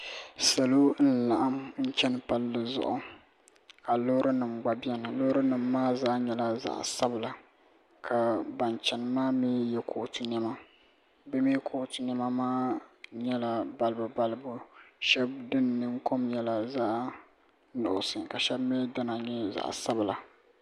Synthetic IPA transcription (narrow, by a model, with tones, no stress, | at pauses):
sa˨lo˦n̩˦la˨ʔa˦mn̩˦t͡ʃɛ˦nɨ˨pa˦lːɨ˨zʊ̰˨ʔʊ˨ | ka˨lo˦ɾɨ˦nɨ˨mɡ͡ba˨bi˦ɛ˦nɨ˨lo˦ɾɨ˦nɨ˨mːaː˦zaː˦ɲɛ˦la˨za̰˨ʔsa˦bla˨ | kʰa˨ba˨nt͡ʃɛ˨nɨ˨maː˦meː˦jɛ˦kʰo˨tɨ˦nɛ˦ma˦ | bɛ˦me˦kʰo˨ʔtɨ˨nɛ˦ma˦maː˦ɲɛ˦la˨ba˦˨lbɨ˨ba˦lɨ˦bʊ˦ʃɛ˦bdɨ˦nːɨ˦ŋko˦mjɛ˦la˨za˦ʔ | nʊ̰˨ʔʊ˨sɨ˨ka˨ʃɛ˦bme˦da˦na˨ɲɛ˦za̰˨ʔsa˦bla˨